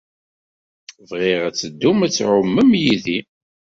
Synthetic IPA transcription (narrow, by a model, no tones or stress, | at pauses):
vʁɪʁæt͡sːəd̪ːumæt͡sːʕʊmːəmjiði